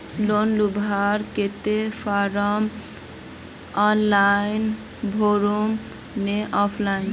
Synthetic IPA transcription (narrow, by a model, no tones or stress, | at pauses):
lonlubʱaɾket̪epʰaɾɔm | ɔnlajn | bʱoɾum | neʔɔpʰlajn